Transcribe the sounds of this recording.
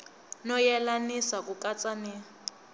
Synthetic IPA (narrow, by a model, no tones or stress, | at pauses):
nɔjɛlanisakʼukʼat͡sʼani